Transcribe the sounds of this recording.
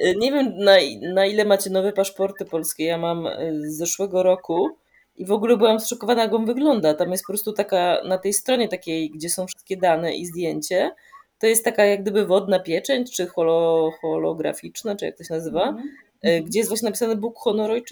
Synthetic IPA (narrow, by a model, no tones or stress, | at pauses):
ɲɛvʲjɛmnainailɛmat͡ɕɛnɔvɛpaʂpɔɾt̪ɘpɔlskʲejamamzːɛʂwɛɡɔɾɔku | ʔivɔɡulɛbɘwamsʂɔkɔvanajakɔmvɘɡlɔnd̪at̪amjɛst̪̚pɔpɾɔst̪ut̪akanat̪ɛjst̪ɾɔɲɛt̪akʲejɡd͡ʑɛsɔ̃w̃fʂɘ̥st̪̚kʲɛd̪anɛ̰ʔḭzd̪ʲjeɲt͡ɕɛ | t̪ɔjɛst̪ːakajaɡ̚d̪ɘbɘvɔd̪napʲjɛt͡ʂɛɲt͡ʂɘxɔlɔxɔlɔɡɾa̰fʲit͡ʂnat͡ʂɨjak̚t̪ɔɕɛnazɘva | ɡd͡ʑɛjɛst̪vwaɕ̬ɲeɛnapʲisanɘbukxɔnɔɾɔj